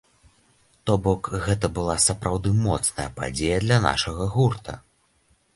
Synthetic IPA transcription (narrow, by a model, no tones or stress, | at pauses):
t̪ɔbɔkɣɛt̪̬ɐbɨlˠasɐpɾʔawd̪ɨmɔt̪snɐjɐpa̰d͡zʲejɐd̪lʲɐna̰ʂɐɣɐɣurt̪ɐ̰